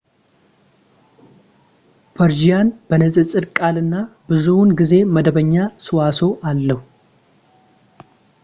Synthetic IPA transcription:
pʰəɾd͡ʒijanbənəzʼɨt͡sʼɨɾkʼalɨnːabɨzuwnɡize̞məd̪əβəɲːasɨwaso̞ʔalːəhu

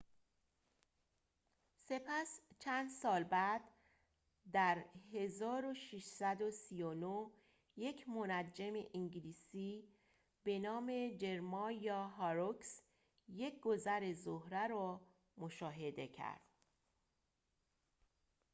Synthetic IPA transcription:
se̞pʰæst͡ʃʰænd̪sɒːlbæd̪̥ | d̪æɾhe̞zɒːɾoʃiʃsæd̪o̞sijono | je̞cʰmonæd͡ʒemḛʔiŋɟiliːsiː | b̥e̞nɒːme̞d͡ʒe̞ɾmɒːjɒːɦɒɾoks | je̞cʰɡ̥o̞zæɾe̞zohɾæɾɒː | moʃɒːɦe̞d̪e̞cʰæ̰ɾd̪̥

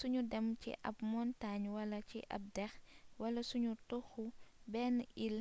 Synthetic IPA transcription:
suɲudɛmcḭʔɐ̰pmɔntaɲwɐlɐciʔɐ̰p̚dɛxwɐlɐsuɲutɔxubɛːnil

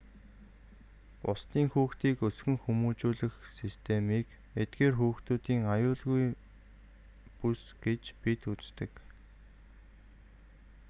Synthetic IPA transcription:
pʊst̪iːŋxuːxt̪iːkɵsɡɘ̆ŋxumuːt͡ɕuːɮɘ̆xsist̪ʰemiːk | et̪̚ɡeːrxuːxt̪uːt̪iːŋajʊːɮɣuj | pusɡ̥et͡ɕpit̪ut͡st̪ɘ̆k

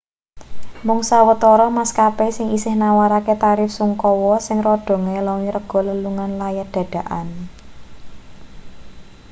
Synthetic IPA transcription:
mʊŋsawət̪ɔɾɔmaskapesɪŋisɪhnawaɾaket̪aɾɪfsuŋkɔwɔsɪŋrɔɖ̪̥ɔ̤ŋelɔŋiɾəɡ̥ɔ̤ləluŋanlajad̪̥ä̤d̥a̤ʔan

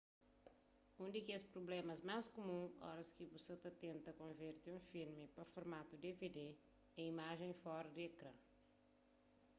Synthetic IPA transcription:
ũnd̪ikespɾoblɛmɐzmaskumũɔ̰ɾɐskiboset̪ɐt̪ẽnt̪ɐkõveɾt̪iũfilmipɐfoɾmat̪ud̪eved̪e | ɛ̃imaʒẽj̃fɔɾɐd̪iekɾɐ̰̃

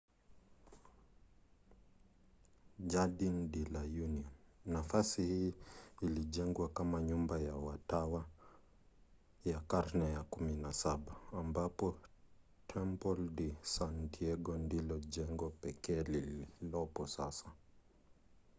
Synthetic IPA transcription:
d͡ʒaɗindilajuniɔnːafasihiːliʄɛŋɡwakamaɲumbajawatawa | jakaɾnɛjakuminasaɓaːmbapɔ | tʰɛmpɔldisantʰiɛɡɔndilɔʄɛŋɡɔpɛkɛːlililɔpɔsasa

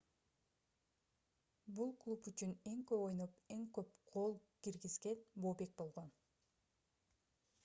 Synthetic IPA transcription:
bulˠklˠupyt͡ʃyne̞ŋkøpo̞jnope̞ŋkø̞p̚qʰo̞lˠkiɾɡizɡe̞nboːbe̞k̚bo̞lˠʁo̞n

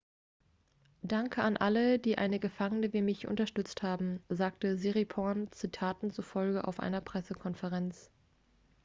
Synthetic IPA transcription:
d̥aŋkʰəanʔalədiːʔa̰ɪnəɡəfaŋənəviːmɪçʔʊ̰ntɐʃtʏt͡sthaːbm̩zaːk̚təziʁipʰɔnt͡sitʰaːtn̩t͡suɐfɔlɡəʔa̰ʊfʔa̰ɪnɐpʁ̥ɛsəkʰɔnfəʁɛnt͡s

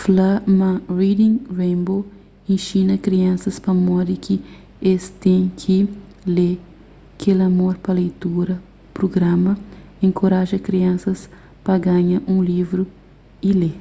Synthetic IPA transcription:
flamɐɾid̪ĩŋɾẽbo | ẽʃĩnɐkɾiɐ̃sɐspɐmɔd̪ɪkʰɪ | est̪ẽj̃kʰɪ | le | kʰelɐmoɾpɐlejt̪uɾɐ | pɾoɡɾãmɐẽŋkʰoɾaʒɐkɾiɐ̃sɐs | pɐɡãɲɐʔũlivɾʊ | ile

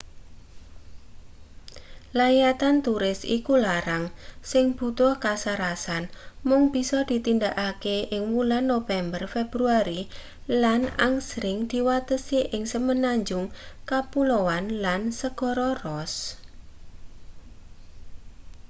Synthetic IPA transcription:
lajat̪ant̪uɾɪsḭkulaɾaŋsɪŋb̥ṳt̪ʊhkasaɾasanmʊŋb̥i̤sɔd̪̥i̤t̪ind̪aʔakeʔɪŋmulanːofɛmbərfebɾuaɾi | lana̰ŋsɾɪŋd̪̥i̤wat̪əsiʔɪŋsəmənaɲd͡ʒʊŋkapulowanlansəɡ̥ɔ̤ɾɔrɔs

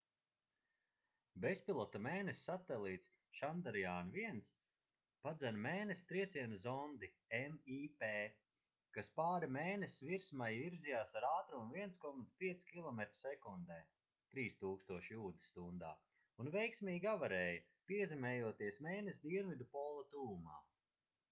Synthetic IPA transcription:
bespʲilˠɔt̪ameːnesʲːat̪elˠiːt̪s | ʃand̪aɾijaːnviɛns | pad̪zænmeːnest̪ɾiɛt̪siɛnzɔnd̪i | ɛmiːpeː | kaspaːɾimeːnesviɾsmajviɾzijaːsaɾaːt̪ɾuunviɛnskɔmat̪spʲiɛt̪skʲilˠɔmɛt̪ɾsɛkund̪ɛː | t̪ɾiːst̪uːkst̪uɔʃjuːd̪ist̪und̪a̰ː | unvɛjksmʲiːɡavaɾɛːjɐ | piɛzɛmɛːjuɔt̪iɛsmeːnesd̪iɛnvʲid̪upɔːlˠɐt̪uːuma̰ː

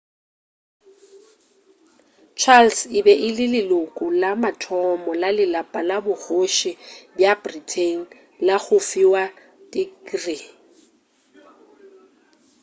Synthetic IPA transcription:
t͡ʃʰalsɪbɛʔɪlɪlɪlʊkʼʊlamatʰɔmɔlalɪlapʼalabʊɣoʃɪbjabritʰeŋ̩ | laɣʊfiwa | dikri

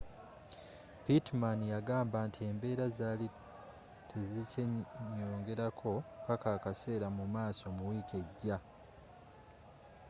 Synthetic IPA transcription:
pitmanjaɡaːmbaːntʰie̞ːmbe̞ːɾazali | tʰe̞ziceɲːoːŋɡe̞ɾakʰo̞pakaːkase̞ːɾamumaːso̞muwiːke̞ɟːa

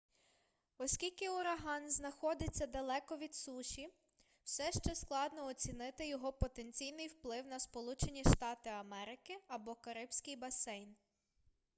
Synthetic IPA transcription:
ɔsʲkʲilʲkɪʊɾɐɦɑnznɐxɔd̪ɪt͡sʲːɐd̪ɐlˠɛkɔʋʲid̪suʃʲi | w̥sɛʃt͡ʃɛsklˠɑd̪nɔɔt͡sʲinɪt̪ɪjɔɦɔpɔt̪enʲt͡sʲijnɪjwplˠɪwnɐspɔlˠut͡ʃenʲiʃt̪ɑt̪ɪɐmɛɾɪkɪɐbɔkɐɾɪbsʲkɪjbɐsɛjn

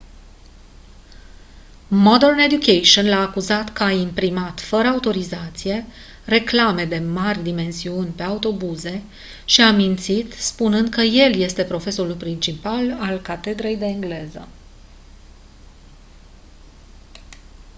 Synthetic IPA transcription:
mod̪erne̞d̪jukejʃonlaːkuzat̪kəaimpɾimat̪fəɾəaut̪o̞ɾizat̪sije̞ | re̞klame̞d̪e̞marʲd̪ime̞nsiunʲpe̞aut̪o̞buze̞ | ʃiamint̪sit̪spunɨnd̪̚kəje̞lje̞st̪e̞pɾo̞fe̞so̞ɾulpɾint͡ʃipalalkat̪e̞d̪ɾe̞jd̪e̞ŋɡle̞zə̰

